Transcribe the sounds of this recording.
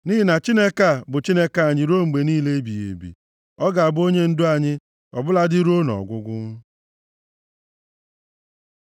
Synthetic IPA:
ni˦ɪ˨na˨t͡ʃi˦ne˦ka˨bʊ˨t͡ʃi˦ne˦ka˨ɲi˨ɾo˦ŋ͡m̩˨ɡ͡be˨niː˦le˦e˦bi˨jḛ˨bḭ˨ | ɔ˦ɡa˨a˨bo˦ɲe˦n̩˦dʊ˦a˨ɲɪ˦ | ɔ̰˨bʊ˦la˦dɪ˦ɾo˦nɔ̰˨ɔ̰˨ɡʷʊ˦ɡʷʊ˦ŋ˦

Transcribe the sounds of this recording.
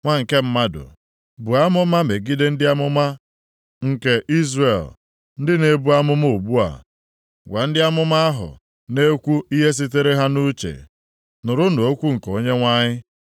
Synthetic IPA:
ŋʷa˦ŋ̩˨ke˦m̩˦ma˦dʊ̰˨ | bu˨a˦mʊ˦ma˦me˨ɡi˦de˦n̩˦dɪ˦a˦mʊ˦ma˦ | ŋ̩˨ke˨ʔi˦zre˨l | n̩˦dɪ˦ne˦bu˦a˦mʊ˦mo˦˨bu˦a̰˨ | ɡʷa˨n̩˦dɪ˦a˦mʊ˦ma˦a˦ɦʊ̰˨ | ne˦kʷu˦ʔi˦ɦe˦s̬i˦te˦ɾe˦ɦa˦nu˦t͡ʃḛ˨ | nʊ˨ɾʊ˦no˨o˦kʷu˦ŋ̩˨ko˦ɲe˦ŋʷa˦ɲɪ˦

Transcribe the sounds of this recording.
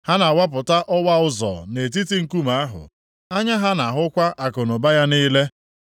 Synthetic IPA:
ha˦na˨wa˦p̬ʊ˨ta˦ʔɔ˦wa˦ʊ˦zɔ̰˨ne˨t̬i˦ti˦ŋ̩˦ku˦ma˨a˦ɦʊ̰˨ | a˦ɲa˦ɦa˦na˨ɦʊ˦kʷa˦ʔa˨kʊ˨nʊ˨ba˦ja˦niː˦le˦

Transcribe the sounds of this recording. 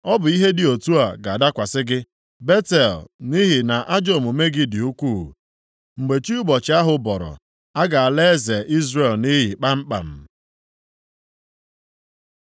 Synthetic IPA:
ɔ˦bʊ˨i˦ɦe˦dɪ˨o˨tu˦a˨ɡa˨da˦kʷa˨sɪ˦ɡɪ˦ | be˦tɛ˨lni˦ɦi˨na˨ʔa˦d͡ʒo˨mo˨me˦ɡɪ˦dɪ˨u˦kʷu˦˨ | ŋ͡m̩˨ɡ͡be˨t͡ʃi˦u˦bɔ˨t͡ʃɪ˨˦a˦ɦʊ˨bɔ˨ɾɔ̰˨ | a˦ɡa˨a˨le˦ze˨ʔi˦zre˨lni˦ɦi˨k͡pa˦m̩˦k͡pa̰˨m̩˨

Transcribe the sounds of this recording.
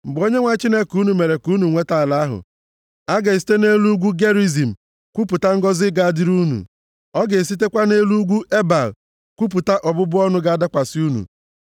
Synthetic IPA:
m̩˨ɡ͡bo˦ɲe˦ŋʷa˦t͡ʃi˦ne˦ku˦nu˨me˨ɾe˨ku˦nu˨ŋʷe˦ta˦a˨la˦ɦʊ̰˨ | a˦ɡe˨s̬i̥˦te˦ne˦lu˦ɡʷu˦ɡe˦ɾi˦zi˨m̩˨ | kʷu˦pu˨ta˦ŋ̩˦ɡɔ˦zɪ˦ɡa˨a˨dɪ˦ɾu˦nṵ˨ | ɔ˦ɡe˨s̬i˦t̬e˦kʷa˦ne˦lu˦ɡʷu˦ʔe˦ba˨l | kʷu˦p̬u˨ta˦ʔɔ˨bʊ˦bʊ˦ɔ˦nʊ˦ɡa˦a˦da˦kʷa˨sɪ˦u˦nṵ˨

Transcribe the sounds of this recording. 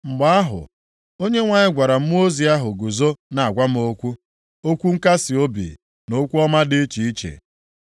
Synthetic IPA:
ŋ͡m̩˨ɡ͡ba˦a˦ɦʊ̰˨ | o˦ɲe˦ŋʷa˨ɲɪ˦ɡʷa˨ɾa˨m̩˦m˦o˦zi˨a˦ɦʊ˨ɡu˨zo˦na˨a˨ɡʷa˦m̩˦o˦kʷu˦ | o˦kʷu˦ŋ̩˦ka˦sɪ˨o˦bḭ˨ | no˦kʷu˦ɔ˦ma˦dɪ˦t͡ʃi˨i˦t͡ʃḛ˨

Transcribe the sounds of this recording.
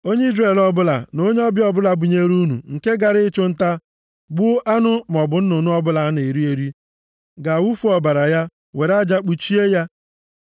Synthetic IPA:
o˦ɲe˦i˦zre˨lɔ˦bʊ˦la̰˨no˦ɲe˦ɔ˦bɪ˦ɔ˦bʊ˦la˨bʊ˨ɲe˦ɾu˦nṵ˨ŋ̩˨ke˦ɡa˨ɾɪ˦t͡ʃʊ˦n̩˦ta˦ | ɡ͡bʊ˦ʔa˦nʊ˦m˨ɔ˨bʊ˨n̩˦no˨nʊ˦ɔ˦bʊ˦la˨˦ne˨ɾi˦e˨ɾi˦ | ɡa˨wu˦fu˦ɔ˨ba˨ɾa˨ja˦ | we˨ɾa˦d͡ʒa˦k͡pu˨t͡ʃi˦e˦ja˦

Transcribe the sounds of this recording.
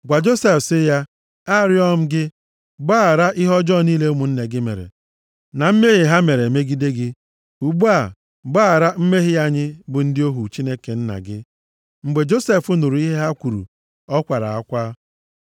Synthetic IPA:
ɡʷa˨d͡ʒo˦se˦˨fsɪ˦ja˦ | a˦˨ɾɪ˦ɔ˦m̩˦ɡɪ˦ | ɡ͡ba˦˨ɾa˦ʔɪ˦ɦɔ˦d͡ʒɔ˦˨niː˦le˦mu˨n̩˦ne˨ɡɪ˦mḛ˨ɾḛ˨ | na˨m̩˦me˦ɣe˨ɦa˦me˨ɾe˨me˦ɡi˦de˦ɡɪ˦ | u˨ɡ͡bu˦a˦˨ | ɡ͡baː˦˨ɾa˦m̩˦me˦ɦɪ˦ja˦ɲɪ˦bʊ˨n̩˦dɪ˦o˦ɦu˨t͡ʃi˦ne˦ke˨n̩˦na̰˨ɡɪ˦ | ŋ͡m̩˨ɡ͡be˨d͡ʒo˦se˦˨fu˦nu˨ɾu˨˦i˦ɦe˦ɦa˦kʷu˨ɾṵ˨ | ɔ˦kʷa˨ɾa̰˨a˦kʷaː˦

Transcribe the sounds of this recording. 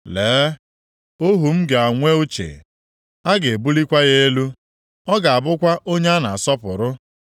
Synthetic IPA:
leː˨˦ | o˦ɦu˨m̩˦ɡe˨a˨ŋʷe˦u˦t͡ʃḛ˨ | a˦ɡe˨bu˦li˦kʷa˦ɣe˦e˦lu˦ | ɔ˦ɡa˨a˨bʊ˦kʷa˦ʔo˦ɲe˦a˦na˨a˨sɔ˦pʊ˨ɾʊ˦

